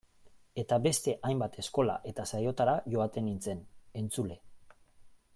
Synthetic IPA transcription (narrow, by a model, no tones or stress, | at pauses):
e̞t̪abe̞st̪e̞ʔajmbat̪ʰe̞sko̞la̰ʔe̞t̪asajo̞t̪aɾaʝo̞at̪e̞nint͡se̞ne̞nt͡sule̞